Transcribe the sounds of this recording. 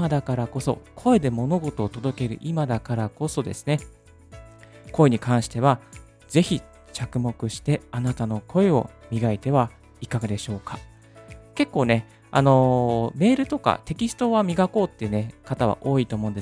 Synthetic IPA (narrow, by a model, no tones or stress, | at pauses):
ad̪akaɾako̞so̞̰kʰo̞e̞d̪e̞mo̞no̞ɡo̞t̪o̞ːt̪o̞d̪o̞ke̞ɾɯ̟̰ʔimad̪akaɾako̞so̞d̪e̞̰sɨ̥ne̞ | ko̞e̞ɲ̟ikãɰ̃ɕi̥t̪e̞β̞a | ze̞çi | t͡ɕakɯ̟mo̞kɯ̟ɕi̥t̪e̞anat̪ano̞kʰo̞e̞o̞mʲiɡait̪e̞βa | ikaɡad̪e̞ɕo̞ːka | ke̞kːo̞ːne̞ | a̰no̞me̞ːɾɯ̟t̪o̞ka̰t̪e̞kʲisɨ̥t̪o̞βamʲiɡako̞ːt̪ːeiɯ̟ne̞kat̪aβ̞a̰ʔo̞ːit̪o̞ːmõnd̪s